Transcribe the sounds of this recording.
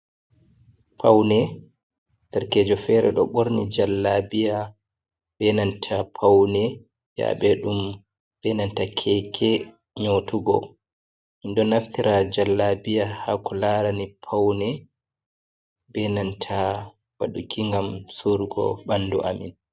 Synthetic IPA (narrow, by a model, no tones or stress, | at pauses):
pʰawnɛ | taɾkeːd͡ʒɔfɛɾɛ̰ɗɔ̰ɓoɾnid͡ʒalːabija | bɛnantʰapʰawnɛ | ja̰ɓɛɗum | bɛnantakʰɛkʰɛ | ɲotuɡɔ̰ | mindɔnaftiɾʔad͡ʒalːabijahakɔlaɾanipʰawnɛ | bɛnantʰa | waɗukʰiŋɡamsuɾɡɔ̰ɓandṵʔamḭn